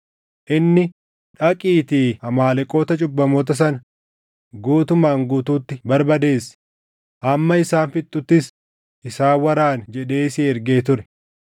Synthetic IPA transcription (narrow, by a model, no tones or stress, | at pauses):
ʔɪnːɪ | ᶑɐkʼiːt̪iːɐmaːlɛkʼo̞ːt̪ɐt͡ʃʼʊbːɐmoːt̪ɐs̬ɐnɐ | ɡuːt̪ʊmaːŋɡuːt̪uːt̪ːɪbɐɾbɐd̪e̞ːsɪ̥ | ʔɐmːɐɪsaːnfɪt̪ʼːʊt̪ːɪs | ʔɪsaːwɐɾaːnd͡ʒɛᶑe̞ːsɪɛɾɡe̞ːt̪̬ʊɾɛ̥